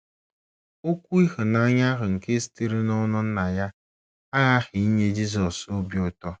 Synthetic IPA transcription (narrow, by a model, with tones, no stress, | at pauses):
o˦kʷu˦i˦hʊ˨na˦ɲa˦ɦʊ˨ŋ̩˨ke˦si̥˨ti˦ɾi˦nɔ˦nʊ˦n̩˦na˨ja˦ | a˦ɣa˦xɪ˨i˦ɲe˦d͡ʒi˦z̬ɔ˨so˦bi˨˦ʊ˨tɔ˦